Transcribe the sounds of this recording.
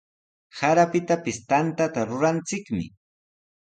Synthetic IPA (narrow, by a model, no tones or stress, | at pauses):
saɾapɪt̪apɪst̪ant̪at̪aɾʊɾant͡sɪkmɪ̰